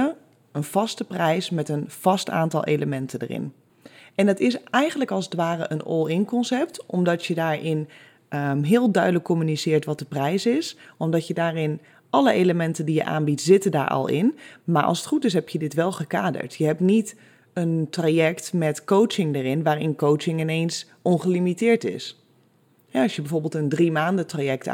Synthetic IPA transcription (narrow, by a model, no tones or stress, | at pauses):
ənv̥ɑstəprɛjsmɛtənv̥ɑsta̰ːntɑ̰lˠʔḛləmɛntədə̰rɪ̰n | ʔɛndɑtɪsɛjχə̃ntləkɑlˠsətʋaːrəʔənɔ̰lˠɪnkɔnsɛp̚tɔmdɑtjədaːɹɪn | ɦɪːlˠdœɥdələkʰːɔmynisɪːɹtʋɑt̚dəprɛjsɪsʔɔmdɔtjədaːɹɪn | ʔɑləʔejləmɛntəndijə̰ʔa̰ːnbitz̥ɪtəda̰ːɹɑ̰lˠɪ̰nmaːɹʔɑ̰lˠsətχutɪs̬ɦɛpʰjədɪtʋɛlˠχəkaːdə̰ɹtjəɦɛp̚tnit | əntrajɛktmɛtkowt͡ʃɪŋdərɪnʋaːɾɪnkowt͡ʃɪŋɪnejns | ʔɔnχəlimitɪːɹtɪ̰s | hɛɑsjəbɛəjvoːɹbɪːlˠtəndrimaːndətrajɛk̚t